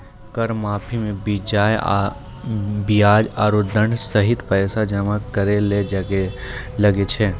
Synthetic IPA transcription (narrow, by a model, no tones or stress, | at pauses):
kəɾmaːpʰimẽbid͡ʒaːj | bijaːd͡ʒaːɾoːd̪ʱːəɳsɐɦɪt̪pɛːsad͡ʒəmakəɾele | lɐɡet͡ʃʰeː